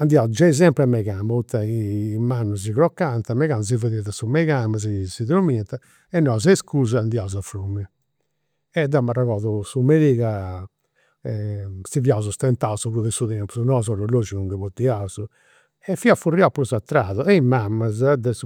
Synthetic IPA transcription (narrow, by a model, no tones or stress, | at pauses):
and̪iaud͡ʒaiz̬ɛmpɾɛmɛɣambaut̪ːaimanːuziɣɾɔkːant̪amɛɣanz̬ivaðiðasumɛɣambazisiðɾumint̪a | ɛnːɔzaskuːzaːnd̪iauzafɾumɛ | ɛd̪amːaraɣɔðusumeliːɣa | ɛsiviauzɔst̪ɛnt̪ausuɣuðɛsuðɛnɔpsunɔzɔɾɔlod͡ʒinuŋɡɛβut̪ːiauzu | ɛfːiafuriapːuɾɔzat̪ːɾaːðɔɛimamːazd̪ɛs